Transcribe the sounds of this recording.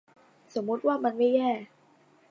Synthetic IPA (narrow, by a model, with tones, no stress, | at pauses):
so˩˦mːu˦˥t̪̚waː˥˩ma˧nmaː˥˩jɲɛː˥˩